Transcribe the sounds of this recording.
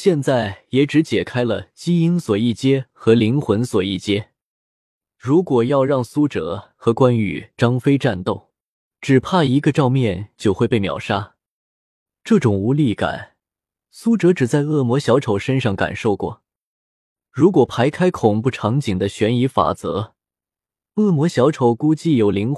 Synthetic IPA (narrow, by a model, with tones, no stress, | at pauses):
ɕjɛ˥˧nt͡sa˥˩ɪjɛ˧˥ʈ͡ʂɻ̩˧˥t͡ɕjɛ˨˩kʰa˥ɪlə˨t͡ɕi˥i˥nswɔ˨˩i˥˩t͡ɕjɛ˥xɤ˧˥li˧˥ŋxwə˧˥nswɔ˨˩i˥˩t͡ɕjɛ˥ | ɻu˧˥kwɔ˨˩jɑ˥˧ʊɻɑ˥˩ŋsu˥ʈ͡ʂɤ̰˧˥xɤ˧˥kwa˥ny̰˧˥ʈ͡ʂɑ˥ŋfe˥ɪʈ͡ʂa˥˧nt̪o˥˩ʊ | ʈ͡ʂɻ̩˨˩pʰa˥˩i˧˥ɡə˧ʈ͡ʂɑ˥˧ʊmjɛ˥˧nt͡ɕjo˥˧ʊxwe˥˧ɪpe˥˩ɪmjɑ̰˨˩ʊʂa˥ | ʈ͡ʂɤ˥˩ʈ͡ʂʊ˨˩ŋu˧˥li˥˩ka̰˨˩˦n | su˥ʈ͡ʂɤ˧˥ʈ͡ʂɻ̩˨˩t͡sa˥˧ɪɤ˥˩mwɔ˧˥ɕjɑ˧˥ʊʈ͡ʂʰo˨˩ʊʂə˥nʂɑ˥˩ŋka̰˨˩nʂo˥˧ʊkwɔ̰˥˩ | ɻu˧˥kwɔ˨˩pʰa˧˥ɪkʰa˥ɪkʰʊ˨˩ŋpu˥˩ʈ͡ʂʰɑ˧˥ŋt͡ɕi˨˩ŋd̪ə˦ɕɥɛ˧˥ni˧˥fa̰˨˩t͡sɤ̰˧˥ | ɤ˥˩mwɔ˧˥ɕjɑ˧˥ʊʈ͡ʂʰo˨˩ʊku˥t͡ɕi˥˩jo˨˩ʊli˧˥ŋ